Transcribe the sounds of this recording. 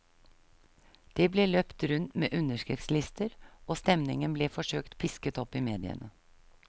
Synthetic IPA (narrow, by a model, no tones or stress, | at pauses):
d̪̥eːbleːløpt̪ɾʉnt̪mḛːʔʉnəʂkɾɪft̪slɪst̪əɾoːst̪ɛmnɪŋənbleːfɔʂøːkt̪pʰɪskət̪ɔpːiːmeːd̪ɪ̰ə̰nə